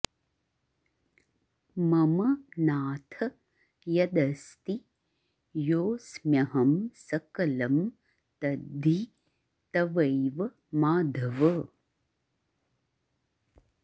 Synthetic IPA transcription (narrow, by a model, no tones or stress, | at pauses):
mɐmɐnaːt̪ʰɐ | jɐd̪ɐst̪i | joːsmjɐɦɐmsɐkɐlɐm | t̪ɐd̪ʱi | t̪ɐʋɐjʋɐ | maːd̪ʱɐʋɐ